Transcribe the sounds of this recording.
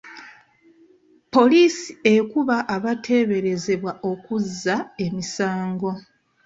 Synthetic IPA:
po̞liːsi̥e̞kuβaʔːβatʰe̞ːβe̞ɾe̞ze̞βwaʔo̞kuzːae̞misaːŋɡo̞

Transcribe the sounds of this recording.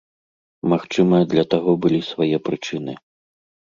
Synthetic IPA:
maxt͡ʂɨmɐd̪lʲɐt̪aɣɔbɨlʲisvajɛpɾɨt͡ʂɨnɨ

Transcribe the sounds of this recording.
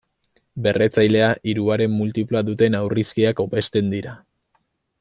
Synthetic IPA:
be̞re̞t͡sajle̞aʔiɾuaɾe̞mːult̪iplaðut̪e̞nawriskiako̞pe̞st̪e̞nd̪iɾa

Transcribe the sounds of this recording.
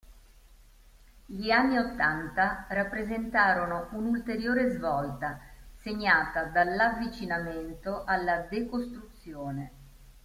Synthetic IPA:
ʎianːiot̪ːant̪arapːɾezent̪aːɾonoʔunult̪eɾjoːɾezvɔlt̪aseɲːaːt̪ad̪alːavːit͡ʃinament̪oʔalːad̪ekost̪ɾut̪sːjoːne

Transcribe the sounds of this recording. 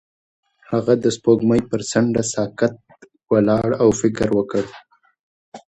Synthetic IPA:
haɣad̪əspoɡməjpəɾsaɳɖasɑkat̪̚ | walɑɽawfɪkɾwəkəɽ

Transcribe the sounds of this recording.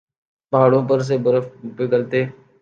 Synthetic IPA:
paːɽõːp̬əɾs̬ebəɾəfbɪkəlt̪eː

